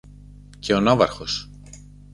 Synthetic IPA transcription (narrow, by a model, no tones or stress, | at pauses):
cʰe̞o̞nɐvɐɾxo̞s